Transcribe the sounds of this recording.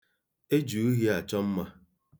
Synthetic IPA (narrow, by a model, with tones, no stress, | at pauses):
e˦d͡ʒu˨u˦ɦi˦a˨t͡ʃɔ˦m̩˦ma˦